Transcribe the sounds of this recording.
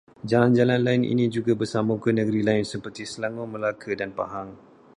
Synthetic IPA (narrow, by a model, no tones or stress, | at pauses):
d͡ʒaland͡ʒalanlaɪnʔḭnĩd͡ʒuɡabərsamũkənə̃ɡəɾilaɪnsəpərt̪isəlaŋomə̃lakʰədanpa̰ɦaŋ